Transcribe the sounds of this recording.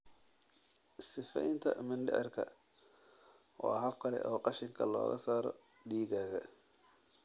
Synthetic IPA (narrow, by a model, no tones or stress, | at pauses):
sɪfɛ̰jnt̪ʰɐ̰mɪnɖɪʕɪ̰rkʰɐ̰ | ʔɔ̰ːɦɐb̚kʰɐlɛ̰ʔɔːqɑʃɪŋkʰɐlɔ̰ːɣɐ̰saːɾɔ̰ | ɖiːɣaːɣɐ